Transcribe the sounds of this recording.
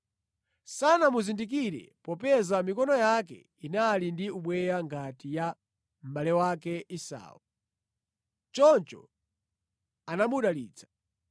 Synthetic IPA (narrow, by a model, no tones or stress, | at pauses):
sanamuzindik̬iɾɛ̰pɔpɛzamikɔnɔjakɛ̰ | inalindiuɓwɛjaŋɡatija | m̩ɓalɛwakɛʔisa̰ːwɔ | t͡ʃɔnt͡ʃɔ̰ | anamuɗalḭːt͡sʰḁ